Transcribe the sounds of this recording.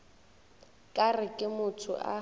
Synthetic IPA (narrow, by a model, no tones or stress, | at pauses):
kʼarɪkʼɪmʊtʰʊ̰ʔa̰